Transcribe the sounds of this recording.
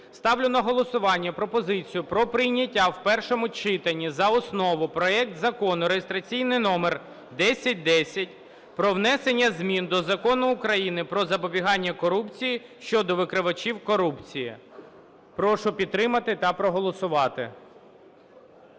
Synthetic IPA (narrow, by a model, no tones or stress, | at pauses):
st̪ɑwlʲʊnɐɦɔlˠɔsʊʋɑnʲːɐpɾɔpɔzɪt͡sʲijʊpɾɔpɾɪjnʲɐtʲːawpɛrʃɔmʊt͡ʃɪt̪ɐnʲːizɐɔsnɔʋʊpɾɔɛk̚t̪zɐkɔnʊɾejɪst̪ɾɐt͡sʲijnɪjnɔmer | d̪ɛsʲɐt̚ʲd̪ɛsʲɐtʲ | pɾɔʋn̪ɛsenʲːɐzʲmʲind̪ɔzɐkɔnʊːkɾɐjinɪpɾɔzɐpɔbʲiɦɑnʲːɐkɔɾupt͡sʲijiʃt͡ʃɔd̪ɔʋɪkɾɪʋɐt͡ʃiwkɔɾupt͡sʲijḭ | pɾɔʃʊpʲid̪ɾɪmɐt̪ɪt̪ɐpɾɔɦɔlˠɔsʊʋɑt̪ɪ̰